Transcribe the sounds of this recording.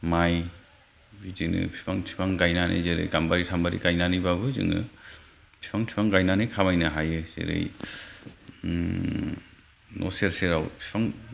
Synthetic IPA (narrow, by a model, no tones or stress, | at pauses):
maj | bizinɯ̰pʰipʰaŋtʰi̥pʰaŋɡajnanʔḛzeɾɯ̰jɡambaɾitʰambaɾḭɡajnanibabɯzɯ̰ŋɯ̰ | pʰi̥pʰaŋtʰi̥pʰaŋɡajnanɯkʰamajnɯɦajɯz̥ḛɾɯ̰j | nʔɔ̰seɾseɾawpʰipʰaŋ